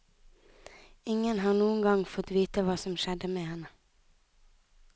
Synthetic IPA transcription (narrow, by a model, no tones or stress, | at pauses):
ɪŋənhɑːʁnuːən̩ɡɑŋfɔt̪ʋiːt̪əʋɑːsɔmʃɛd̪əmeːhɛnə